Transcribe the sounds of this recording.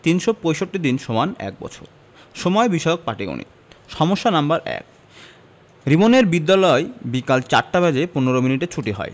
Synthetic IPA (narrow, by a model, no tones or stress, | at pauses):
t̪inʃopojʃoʈːid̪inʃomanɛ̰k̚bɔ̰t͡ɕʰo̰ɾ | ʃomɔebiʃɔok̚paʈiɡo̰nḭt̪̚ʃɔmoʃːanambaɾɛ̰k̚ | ɾimoneɾbid̪ːalɔebikalt͡ɕaɾʈabɛd͡ʑepuneɾominiʈet͡ɕʰuʈiɦɔ̰e